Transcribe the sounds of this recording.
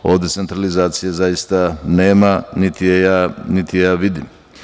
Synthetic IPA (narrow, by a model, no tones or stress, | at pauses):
o̞ːʋd̪e̞tse̞nt̪ɾalizaːt̪sijezajist̪ane̞ːmanit̪ijejaːnit̪ijaːʋid̪im